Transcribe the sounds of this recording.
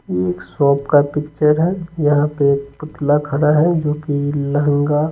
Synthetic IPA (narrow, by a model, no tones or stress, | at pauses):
eːksɔːpkapɪkt͡ʃəɾɦɛjɐɦãpeeːk̚pʊt̪lakʰɐɾaɦɛd͡ʒoːkilɐŋɡa